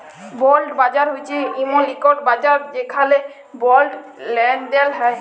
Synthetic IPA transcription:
bɔlɖbad͡ʒaɾɦojt͡ʃʰiimolikɔʈbad͡ʒaɾd̪ekʰale | bɔlɖlɛɳd̪ɛlɦɛ

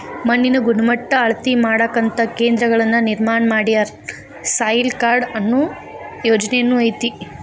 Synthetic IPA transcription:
mɐnːinɐɡunɐmɐʈːɐːɭɐt̪imaːɽɐkːɐnt̪ɐke̞ːnd̪ɾɐɡɐɭɐnːɐniɾmaːɳɐmaːɽijɐ | saːjlkaːɾɖɐnːu | joːd͡ʒɐnejɐnːuɐjt̪i

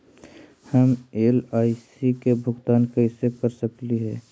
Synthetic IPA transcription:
həmeːlaːɪsikebʱʊɡt̪aːnkəɪsekəɾsəkliɦɛː

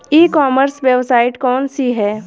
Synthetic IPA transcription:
iːkɔːməɾsʋjəʋsaːɪʈkɔːnsiɦɛː

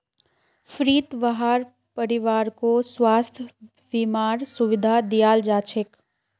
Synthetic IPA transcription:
fʰɾiːt̪ʋəɦaːɾ | pəɾɪʋaːɾkoswaːst̪ʰjə | ʋimaːɾsʊʋɪd̪ʱad̪ijaːld͡ʒaːt͡ʃʰɪk

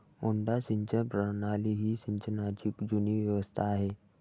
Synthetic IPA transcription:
uɳɖaɕiɲt͡ɕəpɾənaliɦiːɕiɲt͡ɕənat͡ɕikd͡ʑuniʋjəʋəst̪ʰaːɦe

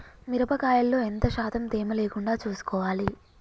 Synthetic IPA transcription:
miɾɐbɐkaːjɐlːo̞ːent̪ɐʃaːd̪ʰɐmd̪eːmɐleːkuɳɖaːt͡ʃuːsu̥kɔːʋaːli

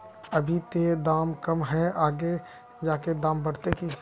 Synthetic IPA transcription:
əbʱit̪ed̪aːmkəmɦɛaːɡe | d͡ʒaːked̪ãːmbəɽ̤t̪eki

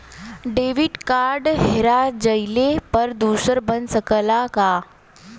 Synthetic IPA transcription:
ɖeʋiʈkaɾɖɦeɾad͡ʑəjlepəɾd̪usəɾbənsəkəlaka

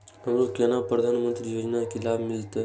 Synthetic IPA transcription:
ɦəmɾokenapɾəd̪ʱanmənt̪ɾijod͡ʑnakilabʱmilt̪ə

